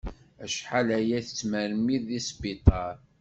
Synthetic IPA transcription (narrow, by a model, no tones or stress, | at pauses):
æʃħalæjæθət͡sːməɾmiðːisbit̪ˤɑɾˤ